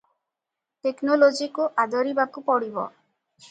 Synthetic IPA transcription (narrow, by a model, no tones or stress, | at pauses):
ʈeknolod͡ʒikuʔad̪ɔɾibakupɔɽibɔ̰